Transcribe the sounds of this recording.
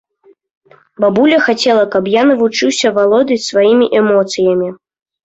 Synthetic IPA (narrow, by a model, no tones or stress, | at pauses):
babulʲɐxat͡sʲɛlˠɐkɐpjanɐvut͡ʂɨwsʲɐvalˠɔd̪ɨsvajimʲiʔɛmɔt̪sɨjɐmʲi